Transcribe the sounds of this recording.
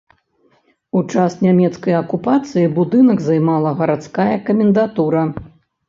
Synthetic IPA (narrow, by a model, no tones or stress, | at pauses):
ut͡ʂasnʲamʲɛt̪skɐjɐkupat̪sɨjibud̪ɨnɐɡzajmalˠɐɣɐɾat̪skajɐkɐmʲɛnd̪at̪uɾɐ